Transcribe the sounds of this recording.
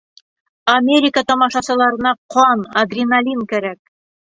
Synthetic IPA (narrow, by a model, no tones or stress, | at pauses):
ɐmʲeɾʲikət̪ɒmɑʃɑsɤ̆lˠɑɾɤ̆nɑqʰɑnaɡrʲinalʲinkæɾæk̚